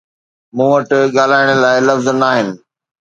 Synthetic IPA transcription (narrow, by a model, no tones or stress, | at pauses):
mũːʋɐʈɠaːlaːɪɽ̃ə̆laːɪlɐfznaːɦɪnɪ̆